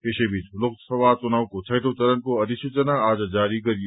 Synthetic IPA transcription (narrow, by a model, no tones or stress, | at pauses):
peʃebit͡ʃlʊk̚t̪sɐʋaːt͡ʃʊnaːwkot͡ʃʰɐjʈ̪ot͡ʃɐɾənkoɐd̪ɪʃet͡ʃɐnaaːd͡ʒad͡ʒaːɾikɐɾie